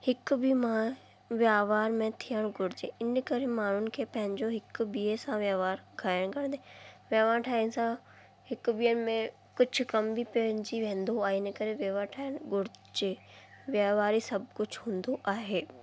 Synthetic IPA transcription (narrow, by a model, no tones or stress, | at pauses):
hɪkbimã | ʋjaːʋaːɾmẽt̪ʰijəɽ̃ɡʊɽɪd͡ʑeɪnkɐɾemaːɳ̤ʊnɪ̆kʰeːpɐ̃ɦɪ̃ɲd͡ʑoɦɪkbiːesãʋjaːʋaːɾkʰaːjɪəɽ̃kɐɽ̃nd̪eʋjaːʋaːɾʈʰaːənsã | hɪkbiːənɪ̆mẽ | kʊd͡ʑʱʊ̆kɐmbʱipend͡ʑiʋẽːn̆d̪oaːɦeɪn̆kɐɾeʋjaːʋaːɾʈʰaːəɽ̃ɡʊɽɪd͡ʑe | ʋjaːʋaːɾisɐbkʊd͡ʑʱɦũːnd̪oʔaːɦeː